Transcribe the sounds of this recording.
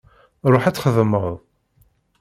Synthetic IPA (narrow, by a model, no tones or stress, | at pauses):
ɾˤoħæt͡sːχəðəməðˤ